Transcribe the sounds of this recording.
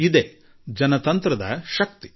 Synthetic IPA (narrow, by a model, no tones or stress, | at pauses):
id̪eː | d͡ʒɐnɐt̪ɐnt̪ɾɐd̪ɐ̰ʃɐk̚t̪i̥